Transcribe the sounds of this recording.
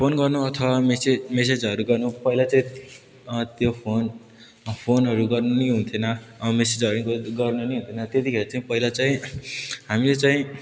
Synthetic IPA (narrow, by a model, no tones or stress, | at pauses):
pʰonɡʌrnuʌt̪ʰʌwamesemesed͡zʌɾuɡʌrnupʌɦilat͡saĩ | t̪jopʰon | pʰonɦʌɾuɡʌrnuniɦunt̪ʰjonʌmesed͡zʌɾuɡʌrnuniɦũnt̪ʰenʌt̪jet̪ikʰeɾat͡saĩpʌɦilat͡saĩɦamilet͡saĩ